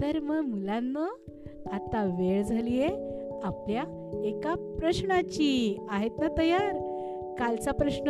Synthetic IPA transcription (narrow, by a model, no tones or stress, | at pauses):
t̪əɾməɡmulanːə | at̪aʋeɭd͡zʱalijeaplja | ekapɾəɕɳat͡ɕiaɦet̪nat̪əjaɾ | kalt͡sapɾəɕnə